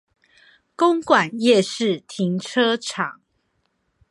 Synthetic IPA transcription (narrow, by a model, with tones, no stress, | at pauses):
ko˦ŋkwa˨˩njɛ˥˧ʂɻ̩˥˨t̪ʰi˨˧˦ŋʈ͡ʂʰɤ˦ʈ͡ʂʰɑ˨˩˦ŋ